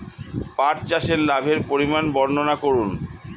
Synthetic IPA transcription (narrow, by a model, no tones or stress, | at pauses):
paʈt͡ɕaʃeɾlabʱeɾpoɾimanbɔɾnonakoɾun